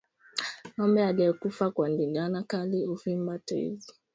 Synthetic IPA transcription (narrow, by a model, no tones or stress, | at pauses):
nɔmbɛalɛɛkufakwandiŋɡanakaliufimbatḛzi